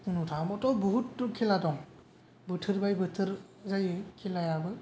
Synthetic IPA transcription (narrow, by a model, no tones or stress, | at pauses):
unutʰamɔtɔwbɔɦutːkʰiladɔŋ | bɯtʰɯɾbajbɯtʰɯɾ | zajɯkʰilajabɯ